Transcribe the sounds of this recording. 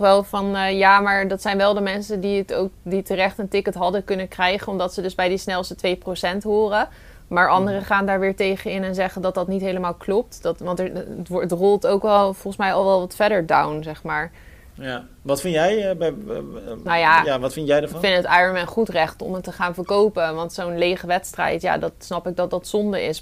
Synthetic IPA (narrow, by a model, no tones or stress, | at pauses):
χʋɛlˠfɑnːjaːmaːɹdɑtsɛjnʋɛlˠdəmɛnsədiəto̰wk̚ditərɛχtəntɪkətɦɑdəkɵnəkrɛjχənɔmdɑtsədɵzbɛjdisnɛlˠstətʋejprosɛntɦʊːrə | maːɹʔɑndərəχaːndaːɹʋɪːɹtejχənɪnɛnzɛχəndɑt̚dɑtnitɦejləmaːlˠklɔp̚tdtʋɑntəətrʊlˠtowkʋɛlˠfɔlˠχənsmɛjɑlˠʋɛlˠʋɑtfɛdəɹdawnzɛχmaːɹ | ʋɑtfɪnjɛjb | nawjaaʋɑtfɪntjɛjdəfɪntətajənmɛnχutrɛχtɔ̰mətːəχaːnvəɹkowpəʋɑntsownlejχəʋɛtstrɛ̰jtja̰ːdɑtsnɑpɪɡ̚dɑt̚dɑtsɔndəɹɪ̰s